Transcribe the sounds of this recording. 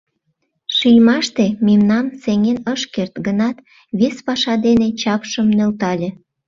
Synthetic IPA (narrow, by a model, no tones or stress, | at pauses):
ʃijʲmɑʃt̪ememnɑmseŋenəʃkert̪ɡənɑt̪ | βespɑʃɑd̪enet͡ɕɑpʃəmnølt̪ɑlʲĕ